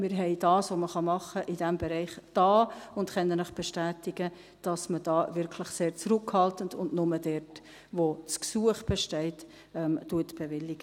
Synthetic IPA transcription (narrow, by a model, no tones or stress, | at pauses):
mɪɾɦɛɪdɑːsʋoməχɑmɑχəʔɪd̥ɛmbeɾɛɪχd̥ɑːʊntχɛnːənləχb̥ɛʃtæːtɪɡ̥ə | d̥ɑsməd̥ɑːvɪɾkʰlɪχseːɾt͡sɾʊkhɑltəndʊndnʊmədɛɾt | ʋot͡sksuəχb̥ɛʃtɛɪt | ɛmtuətb̥evɪlːɪɡ̥ə